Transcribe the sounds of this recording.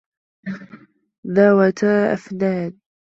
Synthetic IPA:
ðawat̪aʔa̰fnaːd̪̚

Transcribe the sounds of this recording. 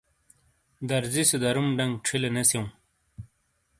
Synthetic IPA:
d̪ɐɾzised̪ɐɾumɖɐŋɡʈ͡ʂʰilenɐsew̃

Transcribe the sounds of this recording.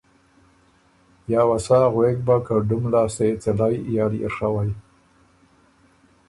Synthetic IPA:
jɑːwasɑɣwek̚bakaɖʊmlɑːset͡sɪlajjɑliɪ̰ɾʂawaj

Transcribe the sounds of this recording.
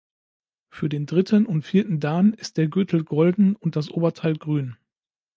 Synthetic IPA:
fyːɐdeːndʁɪtʰənʊntfiːɐtn̩daːnɪst̚d̥eːɐɡøtʰl̩ɡɔldn̩ʊnt̚d̥as̬ʔoːbɐtʰaɪlɡʁyːn

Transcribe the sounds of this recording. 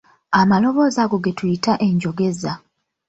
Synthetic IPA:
amalo̞βo̞ːzaɡo̞ɡetujitaʔe̞ɲɟo̞ɡe̞za

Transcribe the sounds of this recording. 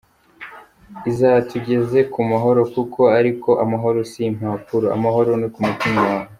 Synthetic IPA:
izatuɟe̞ze̞kumaɦo̞ɾo̞kukʰo̞aɾiko̞ʔamaɦo̞ɾosim̥haːpuɾoa̰maɦo̞ɾo̞nikumutimawahe

